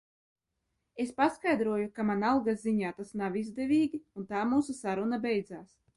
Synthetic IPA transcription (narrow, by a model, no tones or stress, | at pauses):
espaskajd̪ɾuɔjukamanalˠɡaziɲaːt̪asnawizd̪evʲiːɡʲiunt̪aːmuːsusaɾunabɛjd̪zaːs